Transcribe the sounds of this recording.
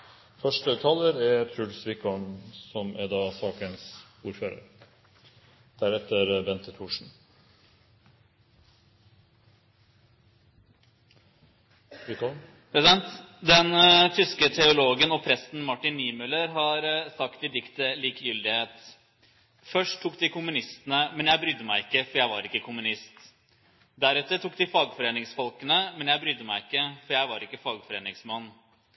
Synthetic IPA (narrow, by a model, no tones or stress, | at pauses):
fœʂʈət̪ʰɑːləɾæt̪ʰɾʉɖ̪sʋɪkɔnsɔmæd̪ɑːsɑːkəns | uːɾføːɾə̰ɾ | d̪̥æɾɛt̪əɾbɛnt̪ət̪ʰuːʂɳ̩ | kɔ | ɛɛnt̪ | d̪ɛnt̪ʰʏskət̪ʰɛʊloːɡənɔpʰɾɛsn̩mɑʈːɪnːiːmʉləɾɦɑɾsɑkt̪̚d̪ɪd̪ɪkt̪əliːkjʏld̪ɪheːt̪ | fœʂʈtʰːuːkd̪ɪkʰʊmʉnɪst̪ənəmɛnjæɪbɾʏd̪ːəmæɪɪkːəfɔɾjæɪʋɑ̰ɾɪkːəkʰʊmʉnɪst̪ | d̪æɾɛt̪ːəʈ̪ʰuːk̚d̪ɪfɑːɡfɔɾeːnɪŋsfɔlkənəmɛnjæɪbɾʏd̪ːəmæɪɪkːəfɔɾjæɪʋɑɾɪkːəfɑːɡfɔɾeːnɪŋsmɑnː